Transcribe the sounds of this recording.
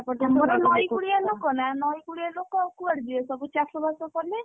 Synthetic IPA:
apɔɔmɔɾɔnɔjkuɽijalokɔnanɔjkuɽialokɔkuaɽd̪iɔsɔbut͡ʃasɔbɔsɔkɔle

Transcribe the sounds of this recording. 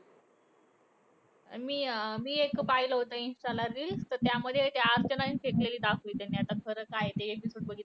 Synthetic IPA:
miːmiːekpajləɦot̪əĩnsʈalaɾiːlt̪əɾt̪jaməd̪ʱːjet̪jaəɾt͡ɕənainfekleliːd̪akʰʋiːt̪janːiːat̪akʰəɾəkaɦet̪eekisoʈbəɡʱiːt̪

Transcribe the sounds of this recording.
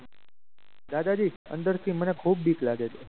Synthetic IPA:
d̪ad̪ad͡ʒiə̰nd̪əɾt̪ʰimənekʰuːb̚biːklaɡet͡ʃʰe

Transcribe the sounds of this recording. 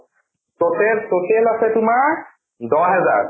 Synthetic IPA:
totɛltotɛlasɛtʊmaɹ | dɔɦɛza̰ɹ

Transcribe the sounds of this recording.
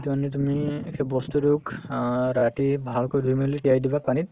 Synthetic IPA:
t̪ianːit̪̬umiekʰebɔst̪uɾukɾaʈibʱalkɔd̪ʱumeleʈiajd̪ibapanit̪

